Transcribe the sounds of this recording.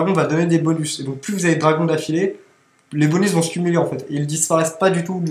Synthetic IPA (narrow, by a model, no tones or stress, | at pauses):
ɡɔ̃vad̪ɔned̪ebɔnysed̪ɔ̃k̚plyvuzaved̪ʁaɡɔ̃d̪afile | lebɔnysvɔ̃sə̥kʲymyleɑ̃fɛt̪eild̪ispaʁɛspad̪yt̪u